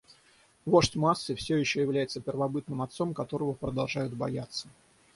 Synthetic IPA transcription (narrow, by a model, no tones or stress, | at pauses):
vo̞ʂtʲmasːɨfsʲɵjɪɕːɵjɪvlʲæjɪt̪səpʲɪrvɐbɨt̪nɨmɐt̪so̞mkɐt̪o̞ɾəvəpɾəd̪ɐlˠʐajʊt̪̚bɐjat̪sːə̥